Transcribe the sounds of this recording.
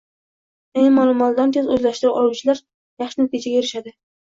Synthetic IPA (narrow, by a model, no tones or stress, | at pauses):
emɒlˠɪmɒlˠd̪ant̪ʰezɵzlaʃt̪ɪɾawʔɒlˠuwt͡ʃʰɪlaɾ | jɑχʃɪnɪk̪ʰet͡ʃaɡʲajeɾɪʃad̪ɪ